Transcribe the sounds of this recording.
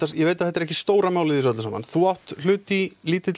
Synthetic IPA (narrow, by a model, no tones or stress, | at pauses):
t̪ːajɛveːjt̪aθɛt̪ːaɾɛhcɪst̪oːwɾamaːwlɪðis̬œt̪lsaːma̰nθuawht̪l̥ʏːt̪iliːt̪ɪ